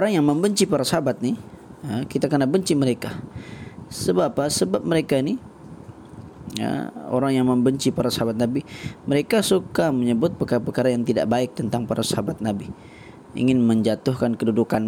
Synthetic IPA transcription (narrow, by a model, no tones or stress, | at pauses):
oɾaŋjaŋməmbəɲt͡ʃipaɾasəɦabat̪̚ni | əkit̪akərnabəɲt͡ʃiməɾeka | səbapasəbap̚məɾekaini | ə̰o̰ɾaŋjaŋməmbəɲt͡ʃipaɾasaɦabat̪̚nabiməɾekasukaməɲəbʊt̪̚pəkaɾapərkaɾajaŋt̪ida̰ʔbaɪk̚t̪ənt̪aŋpaɾasaabat̪̚nabi | ḭŋɪnməɲd͡ʒat̪ʊhkankədudukan